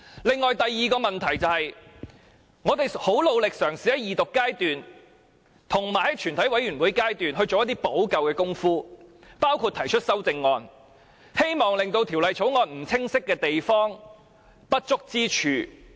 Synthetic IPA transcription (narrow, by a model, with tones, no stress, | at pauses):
lɪ˨ŋːɔː˨jt̪ɐ˨jːiː˨˧kɔː˧mɐ˨nt̪ʰɐ˨˩jt͡sɐ˨whɐ˨j | ŋɔː˨˧t̪e˨jho˨˥wlo˨˧wlɪ˨k̚sœː˨˩ŋsi˨hɐ˨˦˥jiː˨t̪ʊ˨kːaː˥jt̪yː˨n | t̪ʰʊ˨˩ŋmaː˨˩jhɐ˥t͡ʃʰyː˨˩nt̪ʰɐ˨˥jwɐ˨˥jɥyː˨˩nwu˨˥jkaː˥jt̪yː˨nɦɵ˧ɥt͡so˨wjɐ˥t̪̬i˥po˨˥wkɐ˨wkɛː˧kʊ˥ŋfuː˥ | paː˥wkʰu˧t̪ʰɐ˨˩jt͡ʃʰɵ˥t̚sɐ˥wt͡sɪ˧ŋːɔː˨˧n | he˥jmɔː˨˩ŋlɪ˨ŋt̪o˧wt̪ʰiː˨˩wlɐ˨jt͡sʰo˨˥wŋɔː˧nm̩˨˩t͡sʰɪ˥ŋsɪ˥kːɛː˧t̪e˨jfɔː˥ŋ | pɐ˥t̚t͡sʊ˥k̚t͡siː˥t͡ʃʰyː˨